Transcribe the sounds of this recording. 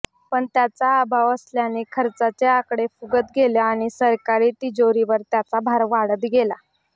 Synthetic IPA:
pəɳt̪jat͡saːbʱaʋəsljanːikʰəɾt͡sat͡seakɽefuɡət̪ɡʱeljaaɽ̃isəɾkaɾiːt̪id͡zoɾiʋəɾt̪jat͡sabʱaɾʋaɽət̪ɡela

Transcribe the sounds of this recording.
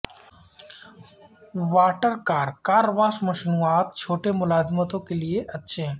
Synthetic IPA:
ʋaːʈəɾkaːɾkaːɾʋaːsməʃnuat̪̚t͡ʃʰoʈemʊlazmət̪okelieʔət̪ːʃʰe

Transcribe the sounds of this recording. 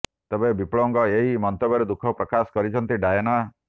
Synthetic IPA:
t̪ebebiploŋɡɔeɦimɔnt̪obɔɾed̪ukʰɔpɾɔkasɔ̥kɔɾit͡ʃʰɔnt̪iɖajɔna

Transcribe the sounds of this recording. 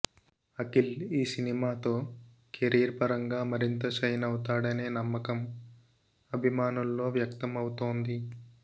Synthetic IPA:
ɐkiliːsinimaːt̪o̞ː | kʰeɾiːɾpɐɾɐŋɡaːmɐɾint̪ɐt͡ʃɐjnɐwut̪aːɽɐne̞ːnɐmːɐkɐm | ɐbʱimaːnulːo̞ːʋjɐkt̪ɐmɐwut̪oːnd̪i

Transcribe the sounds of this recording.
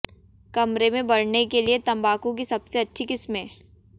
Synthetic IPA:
kɐmɾemẽbɐɽ̤nekeliet̪ɐ̃mbaːkõk̬isɐbseɐtːʃʰikɪsmɦẽː

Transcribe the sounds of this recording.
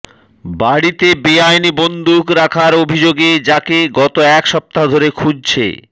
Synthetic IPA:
baɽit̪ebiajnibond̪ʱukɾakʰaɾobʱid͡ʑoɡed͡ʑakeɡɔt̪oɛkʃɔp̚t̪ad̪ʱoɾekʰud͡ʑt͡ɕʰḛ

